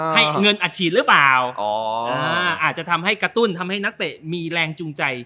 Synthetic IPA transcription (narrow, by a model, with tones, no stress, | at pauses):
ha˥˩jŋɤ˧nʔaː˧˩t͡ɕʰiː˥˩ɾɯː˦˥plaː˨˩wʔɔː˨˧ʔaː˧˩ʔaː˨˩t̪̚t͡ɕa˨˩t̪ʰa˧mhɦa˥˩jkɾa˧t̪u˥˩nt̪ʰa˧mha˥˩jna˦˥k̚t̪e˨˩miː˧ɾɛː˧ŋt͡ɕu˧ŋt͡ɕa˧j